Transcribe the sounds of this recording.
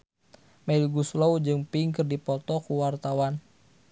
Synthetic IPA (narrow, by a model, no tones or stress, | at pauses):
mɛlɡuslowd͡ʒɨŋpiŋkɨrdipɔt̪ɔkuwart̪awan